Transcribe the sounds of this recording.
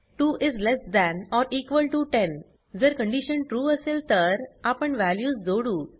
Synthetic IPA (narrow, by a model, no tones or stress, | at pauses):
ʈuːʔɪzlesd̪æ̃nɔɾʔiːkʋəlʈuʈẽn | d͡zəɾkə̃ɳɖiɕənʈɾuːəselt̪əɾapəɳʋæljuːsd͡zoɽuː